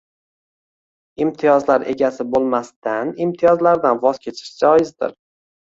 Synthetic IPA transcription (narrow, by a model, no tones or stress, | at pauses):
ɪmt̪ʰijɒzlaɾe̞ɡʲasɪbolˠmast̪anɪmt̪ʰijɒzlaɾd̪anvɒz̥kʲʰet͡ʃʰɪ̥ʃd͡ʒɒjɪzd̪ɪ̰ɾ